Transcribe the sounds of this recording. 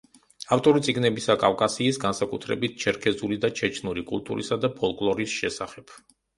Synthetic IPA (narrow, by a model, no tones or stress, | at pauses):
aft̪ʼɔɾit̪sʼiɡnɛbisakʼafkʼasiːsɡansakʼut̪ʰɾɛ̰bit̪̚ʰt͡ʃʰɛɾkʰɛzulid̪at͡ʃʰɛt͡ʃʰnuɾikʼṵlˠt̪ʼṵɾḭsad̪apʰɔlˠkʼlˠɔɾisʃɛsaχɛb̥